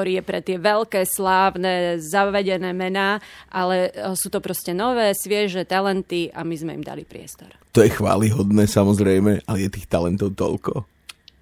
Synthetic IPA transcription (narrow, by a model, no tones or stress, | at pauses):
ɔɾiːjɛpɾɛt̪ɪɛʋɛʎkɛːslaːʊnɛːzaʋɛɟɛnɛːmɛnaːʔalɛsuːt̪ɔpɾɔscɛnɔʋɛːsʋɪɛʒɛt̪alɛnt̪ia̰mizmɛḭmd̪a̰lipɾɪɛ̰st̪ɔɾt̪ɔjɛxʋa̰ːliɦɔd̪nɛːsamɔzɾɛjmɛalɛjɛt̪iːxt̪alɛnt̪ɔʊt̪ɔ̰lkɔ